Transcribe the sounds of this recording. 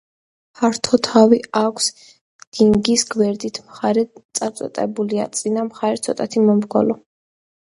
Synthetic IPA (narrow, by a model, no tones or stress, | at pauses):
pʰaɾt̪ʰɔt̪ʰaviakʷʰs | d̪̥iŋɡisɡwɛɾd̪it̪ʰmχaɾɛt̪sʼasʼɔ̰t̪ʼɛbulia̰t̪sʼinamχaɾɛt̪sʰɔt̪ʼat̪ʰimɔmɾɡɔlɔ